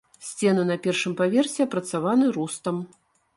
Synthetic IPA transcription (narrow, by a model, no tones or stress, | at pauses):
sʲt͡sʲɛnɨnɐpʲɛrʂɨmpavʲɛrsʲɛɐpɾɐt̪savanɨɾust̪ɐm